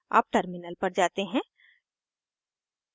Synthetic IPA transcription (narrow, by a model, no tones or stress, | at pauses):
a̰ːp̚ʈəɾmɪnəlpɐɾd͡ʒaːt̪eɦɛ̃